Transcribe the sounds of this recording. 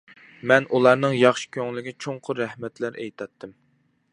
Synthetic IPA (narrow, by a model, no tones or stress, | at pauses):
mɛnulˠɑɾnɨŋjɑχʃɪ̥kʲʰøŋlɪɡʲɪt͡ʃʰoɴqʰʊɾɛhmɛt̪læɾḛjt̪ʰɑt̪ʰːɨm